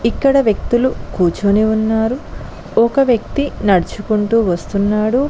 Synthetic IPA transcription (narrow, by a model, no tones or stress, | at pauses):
ikːɐɽɐʋjɐk̚t̪ulukuːt͡ʃoːneunːaːɾu | ɔkɐʋjɐk̚t̪inɐɽut͡ʃukuɳʈuːʋɐst̪unːaːɽu